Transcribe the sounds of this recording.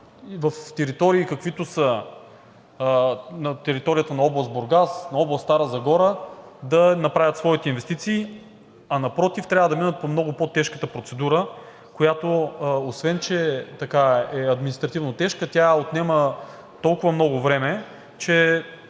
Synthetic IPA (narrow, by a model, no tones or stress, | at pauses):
ivɐft̪ɛɾit̪ɔɾiːkɐkvit̪osə | nɐt̪ɛɾit̪ɔɾijət̪ənɐɔblˠɐst̪boɾɡasnɐɔblˠɐst̪aɾəzɐɡɔɾəd̪ɐnɐpɾavʲɐt̪svɔit̪ɛinvɛst̪it̪siː | ɐnɐpɾɔt̪ift̪ɾʲavəd̪ɐminət̪̚pomnɔɡʊpot̪ɛʃkət̪əpɾot̪sɛd̪uɾə | kojat̪oosvɛnt͡ʃɛt̪ɐkaɛɐd̪minist̪ɾɐt̪ivnot̪ɛʃkət̪ʲjaot̪nɛmə | t̪ɔlˠkʊvəmnɔɡʊvɾɛmɛ | t͡ʃɛ